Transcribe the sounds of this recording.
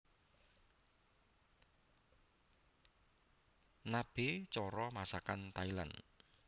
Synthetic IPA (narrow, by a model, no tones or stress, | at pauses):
nab̥et͡ʃɔɾɔmasakant̪aila̰n